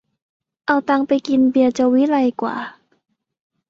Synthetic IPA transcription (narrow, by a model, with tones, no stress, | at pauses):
ʔa˧˩wt̪aː˧ŋpa˧jki˧nbi˧˩ət͡ɕa˧wwi˧˦˥la˧jkwa̰ː˨˩˦